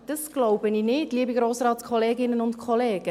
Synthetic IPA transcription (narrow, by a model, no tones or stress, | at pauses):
d̥əsɡ̥loʊbəniːnɪdliəbiɡɾoːsɾɑːtskʰɔleːɡɪnənʊntkʰɔleːɡ̥ə